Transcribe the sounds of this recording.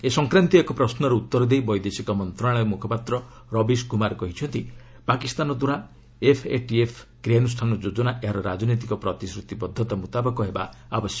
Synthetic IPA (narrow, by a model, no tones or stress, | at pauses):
esɔŋkɾant̪iekɔpɾɔsnɔɾeut̪ːɔɾɔd̪ejbɔjd̪esikɔmɔnt̪ɾaɭ̃emukʰɔpat̪ɾɔ | ɾɔbiskumaɾkɔɦit͡ʃʰɔnt̪i | pakist̪anɔd̪uɾa | epʰḛʈiepʰɡ̥ɾienusʈʰanɔd͡ʒod͡ʒɔnaʔeɦaɾɔɾad͡ʒɔnot̪ikɔpɾɔt̪isɾut̪ibɔd̪ʱːɔt̪amut̪abɔkɔɦebaːbɔsjɔ